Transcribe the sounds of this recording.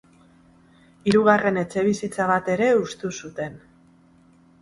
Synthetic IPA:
iɾuɣ̞are̞ne̞t͡se̞β̞isit͡saβ̞at̪e̞ɾe̞ust̪usut̪e̞n

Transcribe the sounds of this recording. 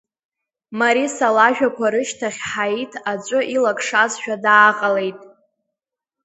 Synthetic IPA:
maɾisalaʒᶣakʷʰaɾɨʃtʰaχʲħaitʰat͡ʃʷʼʊʔilakʰʼʂazʃᶣadaːqʼale̞jtʼ

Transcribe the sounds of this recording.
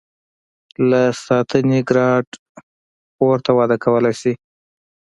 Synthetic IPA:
lasɑt̪ʰəneɡɾɑɖ | poɾt̪awɑd̪əkʰawəlajsi

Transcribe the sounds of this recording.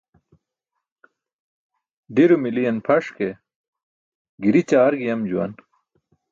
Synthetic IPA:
ɖiɾumilijɐnpʰɐʂke | ɡiɾit͡ɕaːɾɡijɐmd͡ʑuwɐ̰n

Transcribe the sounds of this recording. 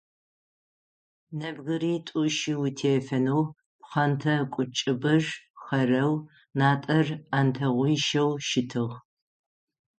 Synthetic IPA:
nɐbɣɨɾiːtʼuʃiwitʰeːfɐnow | pχɐntʰɐkʷʼʊt͡ʃʼɪbɐʒχɐrɐw | naːtʼɐraːntʰɐʁʷijʃɐwʃɪtʰɨʁ

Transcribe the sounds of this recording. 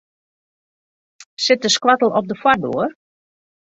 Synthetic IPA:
sɪt̚dəskwatəl̩ˠɔp̚dəfwar̚do̰ər

